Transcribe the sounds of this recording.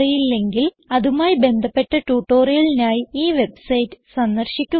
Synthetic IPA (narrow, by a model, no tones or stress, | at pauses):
ɐjilːe̞ŋɡil | ɐðumaːjibe̞nd̪ʱɐpːe̞ʈːɐʈuːʈːo̞ːrijɐlinaːjiiːʋe̞bɨsɐjtːɨ̥sɐnːɐrɕikʲːu